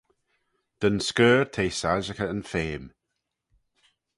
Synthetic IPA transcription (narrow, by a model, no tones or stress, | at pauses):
d̥ənskɜːɹt̪ʰeːsaʒəkəənfeːm